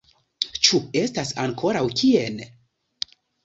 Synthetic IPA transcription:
t͡ʃue̞stasaŋkʰo̞ɾawkʰien

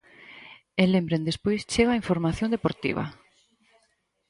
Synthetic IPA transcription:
elembɾẽnd̪espojst͡ʃeɣaiɱfoɾmaθjõnd̪epoɾt̪ḭβ̞ɐ̰

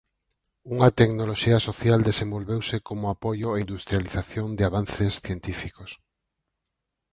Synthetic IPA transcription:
uŋɐt̪eknoloʃiɐsoθjald̪esẽmbolβewsɪkomʊapojʊeind̪ust̪ɾjaliθaθjond̪ɪaβanθesθjent̪ifikos

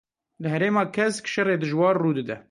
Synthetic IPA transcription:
lɨɦɛɾeːmɑːkʰɛskʃɛreːd̪ɨʒwɑːɾruːd̪ɨd̪ɛ

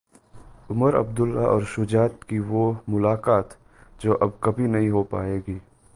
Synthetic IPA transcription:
ʊməɾɐ̰bd̪ʊlːaʔɔ̰ːɾʃʊd͡ʒaːt̪kiʋomʊlaːkaːt̪ | d͡ʒoːʔɐbkɐbʱinɐɦĩɦopa̰ːeːɡiː

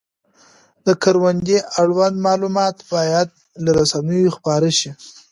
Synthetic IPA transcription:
d̪əkaɾwand̪eʔaɽwand̪mɑlumɑt̪bɑjad̪̚ | laɾasanəjoxpɑɾəʃi

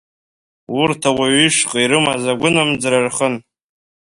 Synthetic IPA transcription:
ʊrtʰawaɥiʂqʼiɾɨmazaɡʷʊnamd͡zrarχən

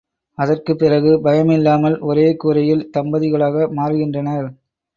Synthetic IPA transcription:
ɐðɐrkɯpːɪrɐɣɯbɐjɐmɪlːaːmɐlʔɔɾeːkuːɾɐjɪlt̪ɐmbɐðɪɣɐɭaːɣɐmaːɾɯɣɪndrɐnɐɾ

